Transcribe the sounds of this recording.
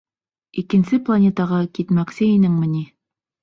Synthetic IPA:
ikɘ̆nsɘplˠanʲet̪ɑʁɑkit̪mæksɘinɘŋmɘ̆ni

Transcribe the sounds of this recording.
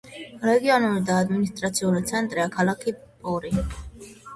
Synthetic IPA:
ɾɛɡiɔnuɾid̪aːd̪minist̪ʼɾat̪sʰiulit̪sʰɛnt̪ʼɾiakʰalakʰipʼɔɾi

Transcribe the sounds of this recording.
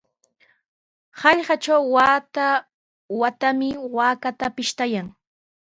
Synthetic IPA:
hɑʎɢɑt͡ʃawːat̪a | wat̪amɪwaːkat̪apɪʃt̪ajaŋ

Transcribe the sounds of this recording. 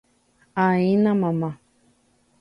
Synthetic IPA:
ainãmãma

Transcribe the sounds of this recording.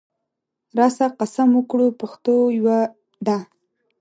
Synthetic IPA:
ɾɑsaqasaməkɽupaxt̪ojwa | d̪a

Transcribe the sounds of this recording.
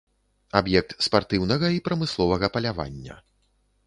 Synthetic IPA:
abjɛk̚t̪spart̪ɨwnɐɣɐipɾɐmɨslˠɔvɐɣɐpɐlʲava̰nʲːɐ̰

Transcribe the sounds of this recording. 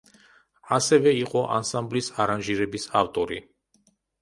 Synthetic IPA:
asɛvɛiqʼɔʔa̰nsamblisaɾanʒiɾɛbisaft̪ʼɔɾi

